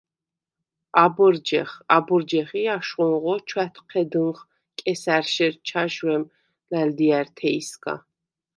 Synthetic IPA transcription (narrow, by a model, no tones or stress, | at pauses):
abɔɾd͡ʒɛχabɔɾd͡ʒɛχiaʃχɔnʁɔt͡ʃʰwæt̪ʰqʰɛd̪ɨnχ | kʼɛsæɾʃɛɾt͡ʃʰaʃwɛm | læld̪iaɾt̪ʰɛiskʼa̰